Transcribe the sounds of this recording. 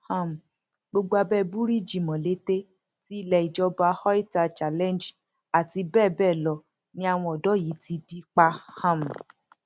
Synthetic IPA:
hã˦˨m˨ | ɡ͡bo˧ɡ͡bo˧a˧bɛ˦bu˦ɾi˦d͡ʒi˨mɔ̃˨le˨˦te˦ | ti˦i˦˨lɛ˧˨i˨d͡ʒɔ˧ba˧hɔ˦i˦ta˧t͡ʃa˨lɛ̃˦˨nd͡ʒ | a˨ti˧bɛː˦˨bɛ˦˨lɔ˧ | nĩ˦a˧w̃ɔ̃˧ɔ˨dɔ˨˦ji˨˦ti˧di˦k͡pa˧hã˦˨m̩˨

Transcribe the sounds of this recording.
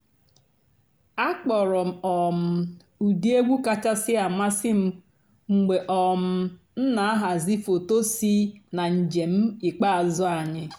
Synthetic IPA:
a˦k͡pɔ˨ɾɔ˨ɔ˨m̩˨ | u˨di˦e˦ɡʷu˦ka˦t͡ʃa˦sɪ˦a˨ma˦sɪ˦m̩˦ | ŋ͡m̩˨ɡ͡be˨ʔɔ˨m̩˦˨ | n̩˦na˨a˦ɦa˨zi˦fo˨to˦si˦na˨n̩˨d͡ʒe˨m̩˦i˨k͡pa˦a˨zɔ˦a˨ɲɪ˦

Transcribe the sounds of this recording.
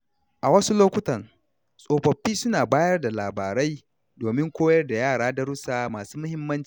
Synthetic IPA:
ʔa˨wɐ˦su˦loː˦kʷʊ˦tɐ˨n | sʼoː˨ɸɐ˨ɸːiː˦sʊ˦naː˨baː˦jɐ˦rda˨laː˨baː˨ɾa˦j | doː˨mɪ˦ŋkʷoː˦jɐ˦rda˨jaː˦˨ɽaː˦da˨˦ɾʊ˦saː˦maː˨su̥ː˦mʊ˦hɪ˦mːɐ˦nt͡ʃi̥˨

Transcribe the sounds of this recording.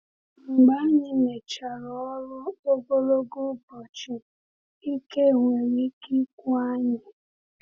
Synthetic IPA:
ŋ͡m̩˨ɡ͡ba˦ɲɪ˦ne˨t͡ʃa˨ɾɔ˨ɔ˦ɾʊ˦o˦ɡo˦lo˦ɡo˦bɔ˨t͡ʃɪ˨ | i˦ke˦˨ŋʷe˨ɾi˦ki˦kʷu˦a˦ɲɪ˦

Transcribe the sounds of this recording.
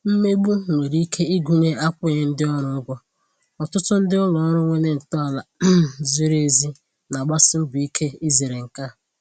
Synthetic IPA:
m̩˦me˦ɡ͡bu˦˨mʷe˨ɾi˦i˦kʰe˦i˦ɡʷu˦ɲe˦ʔa˦kʷʊ˦˨e˨n̩˦dɪ˦ɔ˦ɾʊ˨˦ɡʷɔ˦ | ɔ˨tʊ˦tʊ˦n̩˦dɪ˦ʊ˦lɔ˨˦ɾʊ˦we˦ne˦n̩˨tɔ˦a˨la˨˦zi˦ɾe˦˨zi˦ | na˨ɡ͡ba˦sɪ˦m̩˦bi˦kʰe˦i˦ze˨ɾe˨ŋ̩˨ka˦˨

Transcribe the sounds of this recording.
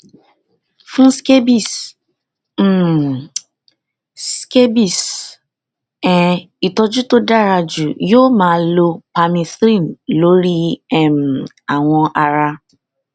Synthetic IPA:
fũ˦ske˦bi˦˨˦ | ske˦bi˦˨s | ɛ˨ | i˨tɔ˧d͡ʒu˦to˦da˦˨ɾa˧d͡ʒu˨joː˦˨mãː˦lo˧pa˧mĩ˧θɾĩ˦˨m̩˨lo˦ɾi˦ɛ˦˨m̩˨ | a˨w̃ɔ̃˧ʔa˧ɾa˧

